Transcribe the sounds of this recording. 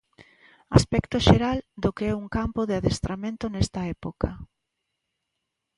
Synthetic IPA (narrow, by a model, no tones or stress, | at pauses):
aspɛkt̪oʃeɾald̪okeɛuŋkampoðɪaðest̪ɾʔamẽnt̪onɛst̪ɐɛpoka